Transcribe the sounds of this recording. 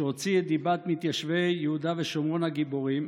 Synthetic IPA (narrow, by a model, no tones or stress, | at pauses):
ot͡sied̪ibat̪mit̪jaʃvejjeud̪aveʃomʁonhaɡiboʁim